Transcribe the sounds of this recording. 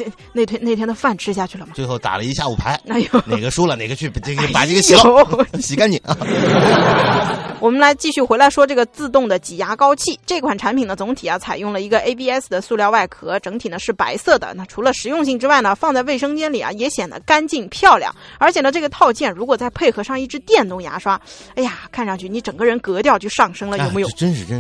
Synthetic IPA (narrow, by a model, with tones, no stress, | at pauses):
ne˥˩t̪ʰjɛ˥ne˥˩t̪ʰjɛ˥nd̪ə˧fa˥˩nʈ͡ʂʰɻ̩˥ɕja˥˧t͡ɕʰy˥˩lə˩mɐ˩t͡swe˥˧ɪxo˥˩ʊt̪a̰˨˩lə˦i˧˥ɕja˥˩u˨˩pʰa̰˧˥ɪa˧˥jo˧˥ne˨˩ɪɡə˦ʂu˥lə˨ne˨˩ɪɡə˧t͡ɕʰy˥˩˥pa˨˩ʈ͡ʂə˥˩ɡə˧ɕi˧lo˥ɕi˧˥ka˥ni˨˧˦ | wʔɔ˨˩mə˦nla˧˥ɪt͡ɕi˥˧ɕy˥˩xwe˧˥ɪla˧˥ɪʂwɔ˥ʈ͡ʂɤ˥˩ɡə˩t͡sɹ̩˥˧t̪ʊ˥˩ŋd̪ə˩t͡ɕi˨˩ja˧˥kɑ˥ʊt͡ɕʰi˥˩ʈ͡ʂɤ˥˩i˧kʰwa˨˩nʈ͡ʂʰa˧˥npʰi˨˩ŋd̪ə˦t͡sʊ˧˥ŋt̪ʰi˨˩a˦t͡sʰa˨˩ɪjʊ˥˩ŋlə˩i˧˥ɡə˧ʔe˥ɪpi˥˧ɛ˥sd̪ə˩su˥˧ljɑ˥˧ʊwa˥˩ɪkʰɤ˧˥ʈ͡ʂɤ˧˥ŋt̪ʰi˨˩nə˦ʂɻ̩˥˩pa̰˧˥ɪsɤ˥˩d̪ə̰˩na˥˩ʈ͡ʂʰu˧˥lə˧ʂɻ̩˧˥jʊ˥˧ŋɕi˥˩ŋʈ͡ʂɻ̩˥wa˥˩ɪnə˩fɑ˥˧ŋt͡sa˥˧we˥˩ɪʂ̬ɤ˥ŋt͡ɕjɛ˥nli˨˩ja̰˩jɛ˧˥ɕjɛ˨˩nd̪ə̰˦ka˥nt͡ɕi˥˧npʰjɑ˥˧ʊljɑ̰˨˩ŋə˞˧˥t͡ɕʰjɛ˨˩nə˦˧ʈ͡ʂɤ˥˩ɡə˩t̪ʰɑ˥˧ʊt͡ɕjɛ˥˩nɻu˧˥kwɔ˨˩t͡sa˥˧ɪpʰe˥˩ɪxɤ˧˥ʂɑ˥˧ŋi˥˩ʈ͡ʂɻ̩˧˥t̪jɛ˥˧nt̪ʊ˥˩ŋja̰˧˥ʂwa˥ | a˥˩a˨kʰa˥˧nʂɑ˥˧ŋt͡ɕʰy˥˩ni˧˥ʈ͡ʂɤ˨˩ŋɡə˦ɻə˧˥nkɤ˧˥t̪̬jɑ˥˧ʊt͡ɕjo˥˧ʊʂɑ˥˩ŋʂɤ˥ŋlə˨jo˨˧ʊme˧˥jo˨ʊə˥nʂɻ̩˥˧˩